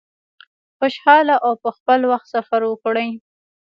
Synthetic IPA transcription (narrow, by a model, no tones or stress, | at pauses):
xʊʃhɑlaʔawpəxpəlwaxt̪safaɾwəkɽəj